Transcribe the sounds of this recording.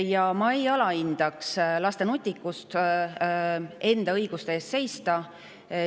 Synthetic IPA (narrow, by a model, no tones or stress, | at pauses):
jɑmɑejɑlɑind̪̥ɑkslɑst̪e̞nut̪ʲːikːˑust̪ | e̞nd̪̥ɑɤjɡ̥ust̪eeːst̪se̞jst̪ɑ